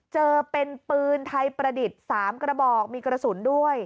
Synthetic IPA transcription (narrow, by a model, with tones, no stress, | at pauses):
t͡ɕɤː˧pe˧npɯː˧nt̪ʰa˧jpɾa˧di˨˩t̪̚saː˩˦mkɾa˧bɔː˨˩k̚miː˧kɾa˧su˩˦ndu˥˩əj